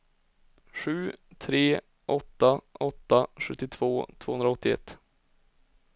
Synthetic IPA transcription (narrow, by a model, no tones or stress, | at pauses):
ɧʉ̟ːt̪ʰɾeː | ʔɔt̪ːaʔɔt̪ːaɧɵt̪ːɪt̪ʰv̥oːt̪ʰvo̰ːhɵnd̪ɾaɔt̪ːɪɛ̰t̪ː